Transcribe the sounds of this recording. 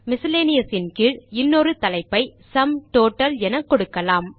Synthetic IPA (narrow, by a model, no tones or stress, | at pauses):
mɪsɪleːnɪjɐsɪnkɪɭɪnːoɾɯt̪ɐlɐɪpːɐɪsɐmʈoːʈːɐlɛnɐkːɔɽɯkːɐlaːm